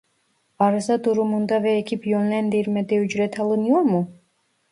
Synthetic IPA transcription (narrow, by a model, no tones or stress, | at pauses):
ɑɾɯzɑd̪uɾumund̪ɑvɛːcʰipjønlʲænd̪iɾmɛd̪ɛyd͡ʒɾɛt̪ʰɑlˠɯnɯjoɾmu